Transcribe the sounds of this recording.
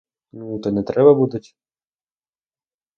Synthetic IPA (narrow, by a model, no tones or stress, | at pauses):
nut̪ɔnɛt̪ɾɛbɐbud̪ʊtʲ